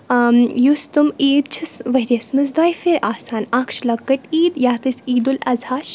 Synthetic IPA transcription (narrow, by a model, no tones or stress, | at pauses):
just̪umiːd̪̚t͡ʃʰisʋɐɾjɐsmɨz̬d̪ɔːjfeɾaːsaːnɐkʃlɐkːɐʈiːd̪jaːt̪ɨsiːd̪ulɐzaːʃ